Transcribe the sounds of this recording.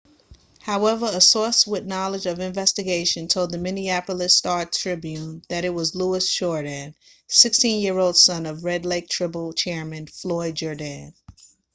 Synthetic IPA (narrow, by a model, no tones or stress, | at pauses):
haʊɛvə˞əsɔɹswɪðnɑlˠəd͡ʒʌvɨ̃ɱvɛstɨɡeɪʃɨ̃ntʰoʊlˠd̪̚ðɨmɪ̃niæpl̩ˠɨstɑɹtʰɹ̥ɪbjʉ̃nðɨɾɨt̚wʌzluəsʃɔɹɾɨ̃n | sɪkstĩnjɪɹoʊlˠd̥sʌ̃nʌvɹɛdˡleɪk̚tʰɹ̥ɪpl̩ˠt͡ʃʰɛɹmɨ̃nflɔɪd̚d͡ʒə˞dæ̃n